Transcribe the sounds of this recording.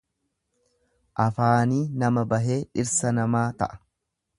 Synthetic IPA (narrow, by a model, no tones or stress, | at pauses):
ʔɐfaːniːnɐmɐbɐɦe̞ːᶑɪɾsɐnɐmaːt̪ɐ̰ʔɐ̥